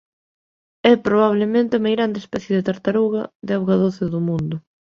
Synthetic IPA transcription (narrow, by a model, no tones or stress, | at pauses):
ɛpɾoβ̞aβ̞lemẽnt̪ɪɐmejɣɾand̪espɛθjeðɪt̪aɾt̪aɾuɣɐðɪawɣaðoθɪðʊmũnd̪ʊ